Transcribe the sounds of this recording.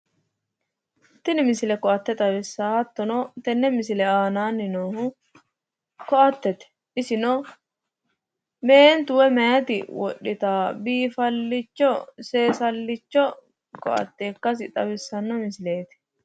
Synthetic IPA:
t̪ːɪnɪmɪsɪlɛkɔɐt̪ːɛt̪ʼɐbɪsːaːhɐt̪ːɔnɔt̪ɛnːɛmɪsɪlɛaːnaːnːɪnoːhʊ | kɔɐt̪ːɛt̪ɛ̥ | ʔɪsɪnɔ | be̞ːnt̪ʊwɛmɛjɐt̪ɪ̰wɔ̰ɗːɪt̪aːbiːfɐlːɪt͡ʃːɔse̞ːsɐlːɪt͡ʃːɔ | kɔ̰ʔɐ̰t̪ːe̞ːkːɐs̬ɪt̪ʼɐbɪsːɐnːɔmɪsɪleːt̪ɛ̥

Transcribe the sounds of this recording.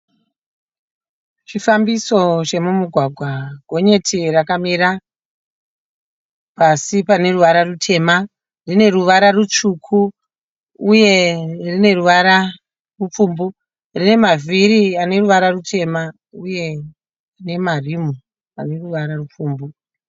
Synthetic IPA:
ʂifambiso̞t͡ʃe̞mumuɡʱwaɡʱwaɡʱo̞ɲe̞tʰirakamiɾa | pasipane̞ruʋaɾarutʰe̞ːma | rine̞ruʋaɾarut͡ʂukʰuː | je̞rine̞ruʋaɾa | rup͡fuːmbu | rine̞maviɾiane̞ruʋaɾarutʰe̞ma | uje̞ | ne̞marimu | ane̞ruʋaɾarup͡fuːmbu

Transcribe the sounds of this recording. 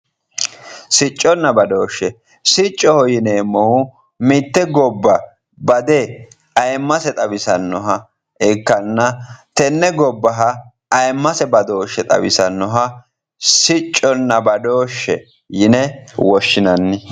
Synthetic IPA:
sɪt͡ʃʼːɔnːɐbɐd̪o̞ːʃːɛ | sɪt͡ʃʼːɔhɔjɪneːmɔwʊ | mɪt̪ːɛɡɔbːɐ | bɐd̪ɛ | ɐjmːɐsɛt̪ʼɐbɪsɐnːɔɦɐ | ɪkːɐnːɐt̪ɛnːɛɡɔbːɐɦɐ | ɐjmːɐsɛbɐd̪oːʃːɛt̪ʼɐ̰bɪ̰sɐnːɔɦɐ | sɪt͡ʃʼːɔnːɐbɐd̪o̞ːʃːɛ̰ | jɪnɛwɔʃːɪnɐnːɪ

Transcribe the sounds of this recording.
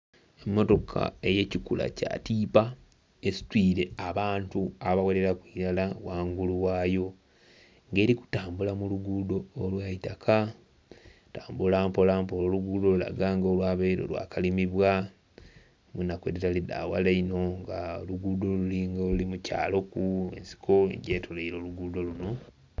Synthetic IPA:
emːo̞to̞kʰa̰e̞je̞cikula̰ca̰ːtiːpa | esi̥twiːɾe̞aβaːntuaβawale̞ɾakwiːɾalawaːŋɡuluwaːjo̞ | ŋɡe̞ːɾiku̥taːmbulamuluɡudo̞ːlwaitakʰa | taːmbulaːmpo̞laːmpolo̞luɡuːdo̞lula̰ɡaŋɡolwaβeiɾo̰lwa̰ːkalimiβwa | mwinːakwedetalida̰ːwa̰laino̞ŋɡaoluɡuːdo̞luliŋɡolulimuca̰ːlo̞kuḛnsi̥kʰo̞ḛɲɟeːtʰoleiɾo̞ːluɡuːdo̞luno̞

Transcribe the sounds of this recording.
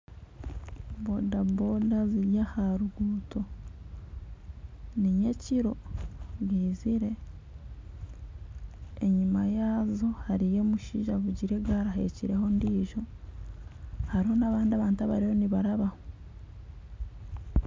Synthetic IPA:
bodabodaziɾjahaɾuɡuːtʰo̞ | niɲe̞ciɾo̞ɡiːziɾe̞ | ɲimajaːzo̞haɾije̞muʃiːʒaβuɟiɾe̞ɡaɾaɦe̞̰ciɾe̞ho̞ndiːʒo̞ | haɾiho̞naβaːndiaβaːntaβaɾiho̞niβaɾaβaho

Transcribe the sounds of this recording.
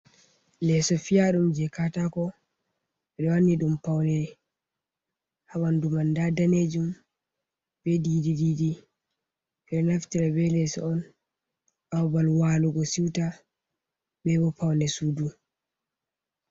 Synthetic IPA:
lɛsɔfijaɗumd͡ʒɛkatakɔ | ɓɛɗɔwanːiɗumpawlɛ | hawandumandadaned͡ʒum | b̥ɛdidididi | fɛnaftiɾabɛlɛsɔ̰ɔn | awbalwaːluɡɔsiwta | bɛbɔpawlɛsuːdu

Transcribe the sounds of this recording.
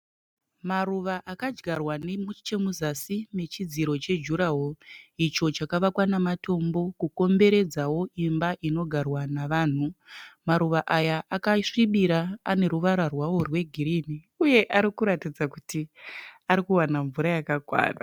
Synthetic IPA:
maruʋaʔakad͡ʒɡarwanemut͡ʃe̞muzasime̞t͡ʃid͡ziɾo̞t͡ʃe̞d͡ʒuɾaɦoit͡ʃo̞t͡ʃakaʋakwanamato̞mbo̞kuko̞mbe̞ɾed͡zawo̞ʔimbaʔino̞ɡʱarwanaʋaːn̤umaɾuʋaʔajaʔakaʂiɓiɾaane̞ɾuʋaɾarwawo̞rwe̞ɡʱiɾini | uje̞ʔaɾikuɾatid͡zakutiaɾikuwanaɱvuɾajakakwa̰ːra

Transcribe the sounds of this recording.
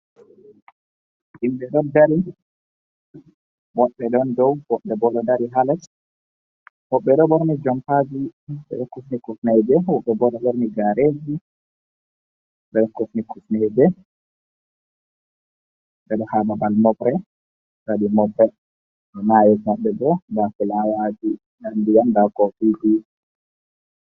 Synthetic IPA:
ʔimɓɛɗɔdaɾi | wɔɗːɛɗɔndɔwwɔɓːɛbɔɗɔdaɾiɦalat | wɔɓːɛɗɔɓɔɾnid͡ʒɔmpad͡ʒiɓɛ̰ɗɔkːufnikufnɛjbɛwɔɓːɛbɔɗɔɓɔɾniɡaɾed͡ʒi | ɓɛɗɔkufnikufnɛd͡ʒɛ | ɗɛɗɔhababalmɔbɾɛ | saɗimɔbɾɛ | ɗɔnajɛsmaɓːɛdɔdakulawad͡ʒi | nandijandakɔtuɡu

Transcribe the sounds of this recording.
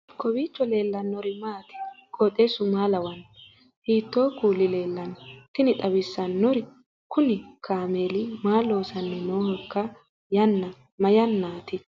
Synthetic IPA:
kʰɔbiːt͡ʃːɔle̞ːlːɐnːɔɾɪmaːt̪ɪ̥kɔt̪ʼesʊmaːlɐwɐn | hiːt̪ːoːkuːlɪle̞ːlːɐnt̪ɪnɪt̪ʼɐbɪsːɐnːɔɾɪ | kʊnɪkʰaːmeːlɪmaːlːo̞ːsɐnːɛnoːhɔkːɐ | jɐnːɐ | mɐjɐnːaːt̪ɪ

